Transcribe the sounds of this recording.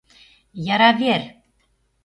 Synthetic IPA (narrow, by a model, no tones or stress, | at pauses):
jɑɾɑvʲeɾ